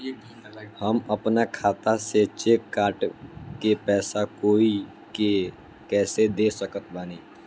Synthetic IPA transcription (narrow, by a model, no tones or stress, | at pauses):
həməpnakʰaːt̪aset͡ʃeːkːaːʈkepɛːsakoːi | ke | kɛːsed̪eːsəkət̪ʰbaːniː